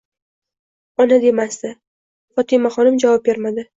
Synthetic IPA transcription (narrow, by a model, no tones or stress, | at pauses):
ɒnad̪e̞masd̪ɪ | fɒt̪ʰɪmaχɒnɪmd͡ʒavɒp̚be̞ɾmad̪ɪ